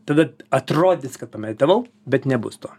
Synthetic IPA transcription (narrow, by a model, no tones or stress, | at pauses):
t̪ɐd̪ɐɐt̪ɾoːd̪ʲɪskɐt̪̚pɐmʲɛd̪ʲt̪ʲɐʋɐʊ | bʲɛt̪nʲɛbʊ̰st̪oː